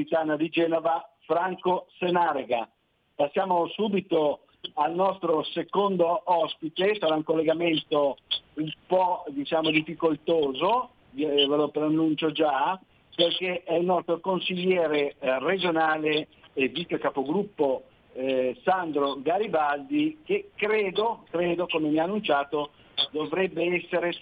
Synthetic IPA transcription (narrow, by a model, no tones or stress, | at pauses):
it̪aːnad̪id͡ʒɛːnovafɾaŋkosenaːɾeɡa | pasːjaːmosuːbit̪o | alnɔst̪ɾosekond̪oʔɔspit̪esaɾauŋkolːeɡament̪oumpɔd̪it͡ʃaːmod̪ifikolt̪oːzo | velopɾanːunt͡ʃod͡ʒa | perkeʔɛilnɔst̪ɾokonsiʎːɛːɾered͡ʒonaːleːvit̪ːekapoɡɾupːo | sand̪ɾoɡaɾibald̪ik̟ekɾeːd̪okɾeːd̪okomemiaːnːunt͡ʃaːt̪o | d̪ovɾɛbːeɛsːeɾe